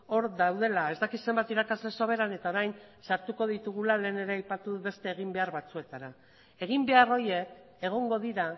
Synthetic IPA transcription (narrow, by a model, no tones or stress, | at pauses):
o̞ɾd̪awð̞e̞lae̞zd̪akise̞mbat̪iɾakazle̞soβ̞e̞ɾane̞t̪ao̞ɾajnsaɾt̪uko̞ðit̪uɣ̞ulale̞ːne̞ɾe̞ajpat̪uðube̞st̪e̞ːɣ̞imbe̞aɾβat͡sue̞t̪aɾa | e̞ɣ̞imbe̞aro̞ɾje̞ː | ɣ̞o̞ŋɡo̞ðiɾa